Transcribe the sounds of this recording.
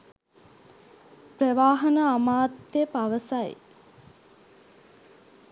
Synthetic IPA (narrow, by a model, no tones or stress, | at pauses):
prəʋaːɦənəamaːt̪ːepaʋəsaj